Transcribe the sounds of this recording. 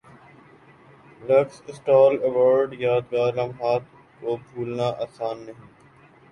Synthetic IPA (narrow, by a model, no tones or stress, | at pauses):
ɾɐksɪsʈɔːlɛʋoːɾɖjaːd̪ɡaːɾlɐmɦaːt̪ | koːbʱuːlnaʔaːsaːnːɐɦĩː